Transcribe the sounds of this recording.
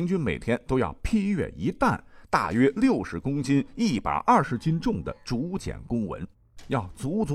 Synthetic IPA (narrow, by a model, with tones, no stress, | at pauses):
ŋt͡ɕy˥nme˨˩ɪt̪ʰjɛ˥nt̪o˥ʊjɑ̰˥˩ʊpʰi˥ɥɛ̰˥˩i˧˥t̪a̰˥˧˩nt̪a̰˥˩ɥɛ˥ljo˥˩ʊʂɻ̩˧˥kʊ˥ŋt͡ɕi˥ni˥˩pa̰˨˩ɪʔɐ˞˥˩ʂɻ̩˧˥t͡ɕi˥nʈ͡ʂʊ˥˩ŋd̪ə̰˩ʈ͡ʂu˧˥˧t͡ɕjɛ̰˨˩nkʊ˥ŋwə̰˧˥n | jɑ˥˩ʊt͡su˧˥t͡s